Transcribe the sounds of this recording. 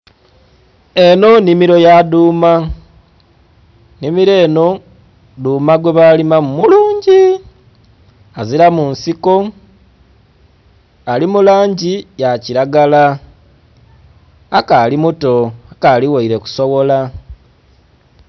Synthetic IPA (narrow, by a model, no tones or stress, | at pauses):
e̞no̞nimiɾo̞jaduːma | nimiɾe̞ːno̞ | duːmaɡweβalimamumuluːɲɟi | aziɾamunsiko̞ | alimulaːɲɟijaciɾaɡala | kaːlimuto̞akaliwaiɾe̞ku̥soβo̞la